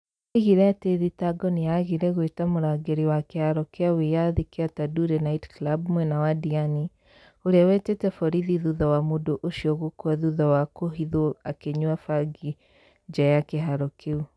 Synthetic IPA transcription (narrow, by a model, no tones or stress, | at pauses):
eɣiɾɛateðitaɡɔnijaɣiɾɛɣwetamoɾaɡeɾiwakehaɾɔkeawejaðikeataduɾenaitklabmwɛnawadiani | oɾeawɛtetɛfɔɾiðiðuðɔwamodoʔoʃiɔɣokwaðuðɔwakoɦiðoakeɲwafaɡi | d͡ʒajakeɦaɾɔkeu